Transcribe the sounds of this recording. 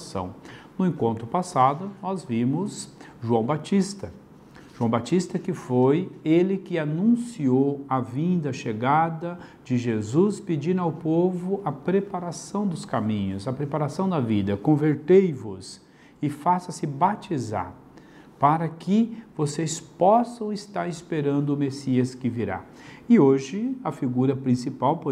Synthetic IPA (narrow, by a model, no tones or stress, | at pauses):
sɐ̰̃w̃nʊẽkõnt̪ɾʊpasad̪ʊnɔzvĩmʊzʒuɐ̃w̃bat͡ʃist̪ɐ | ʒuɐ̃w̃bat͡ʃist̪ɐkɪfojelɪkɪanũsiowɐvĩnd̪ɐʃeɡad̪ɐd͡ʒɪʒezusped͡ʒĩnʊawpovʊʔɐpɾepaɾasɐ̃w̃d̪ʊskamĩɲʊsɐpɾepaɾasɐ̃w̃d̪ɐvid̪ɐkõveɾt̪ejvʊs | ɪfasɐsɪbat͡ʃiza̰ɾ | paɾɐkɪvosespɔsɐ̃w̃ɪst̪aɾɪspeɾɐ̃nd̪ʊʊmesiɐskɪviɾa̰ | ɪoʒɪɐfiɡuɾɐpɾĩsipawpo